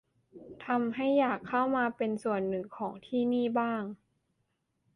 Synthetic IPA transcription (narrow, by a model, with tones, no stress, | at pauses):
t̪ʰa˧mɦa˥˩jːaː˨˩kʰːa˥˩wmaː˧pe˧nsu˨˩ənːɯ˨˩ŋkʰɔː˩˦ŋt̪ʰiː˥˩niː˥˩baː˥˩ŋ